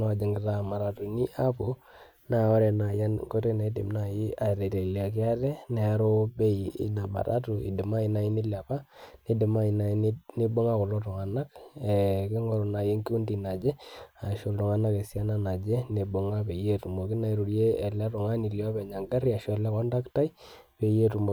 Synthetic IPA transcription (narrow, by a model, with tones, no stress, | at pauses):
a˦˨d͡ʒe˨ŋɡɪ˨ɾa˨ma˨ɾa˨tu˨ni˦ʔa˦pu˨ | na˨ɔ˦ɾɛ˨na˨ja˦nŋko˦te˦ne˨˦dɪ̰˨mna˨ji˦a˨ɾɛ˨te˨li˨a˨kɪ˦a˦tɛ˦nɛ˨˦ɾo˦bɛ˦ḭ˨na˨ba̰˨ɾa̰˦tu˨ḭ˨dɪ˨ma˦i˨na˨i˦ni˦la˨pa˦ni˦dɪ˨ma˦i˨na˨˦n˦ni˦bo˦ŋa˦kɔ˨lɔ˦tɔ˨ŋa˨na˦kɛ˨kɪ˦ŋɔ˨ɾɔ˨na˨je˦ŋki˦u˦ndi˨na˨d͡ʒɛ˦a˨ʃo˨ldɔ˨ŋa˨na˦kɛ˨sja˦na˨na˨d͡ʒɛ˦ne˨bo˨ŋa˦pe˨je˦tu˨mo˨ki˦na˨i˨ɾu˨ɾjeː˦˨la˦tʊ˨ŋa˦ni˨ljɔ˦pɛ˨ɲa˨ŋɡa˦ɾi˦a˨ʃɔ˨lɛ˦kɔ˦nda˦kta˦ipe˨je˦tu˨mo˨